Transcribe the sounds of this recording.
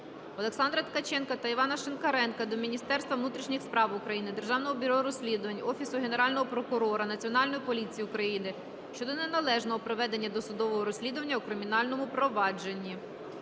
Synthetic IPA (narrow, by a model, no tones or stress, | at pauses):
ɔlˠe̞ksɑnd̪ɾɐt̪kɐt͡ʃɛnkɐt̪ɐiʋɑnɐʃenkɐɾɛnkɐd̪ɔmʲinʲist̪ɛrst̪ʋɐʋnut̪ɾʲiʃnʲixspɾɑʋʊkɾɐjinɪd̪e̞rʒɑwnɔɦɔbʲiɾɔɾɔsʲlʲid̪ʊʋɐnʲɔfʲisʊɦene̞ɾɑlʲnɔɦɔpɾɔkʊɾɔɾɐnɐt͡sʲiɔnɑlʲnɔjipɔlʲit͡sʲijiʊkɾɐjinɪ | ʃt͡ʃɔd̪ɔnenɐlˠɛʒnɔɦɔpɾɔʋɛd̪e̞nʲːɐd̪ɔsʊd̪ɔʋɔɦɔɾɔsʲlʲid̪ʊʋɐnʲːɐʊkɾɪmʲin̪ɑlʲnɔmʊpɾɔʋɑd͡ʒe̞nʲːi